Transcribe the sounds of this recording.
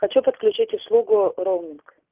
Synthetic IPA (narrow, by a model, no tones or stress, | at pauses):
xɐt͡ɕupət̪klʲʉt͡ɕitʲʊslˠuɡʊɾowˠmʲɪnk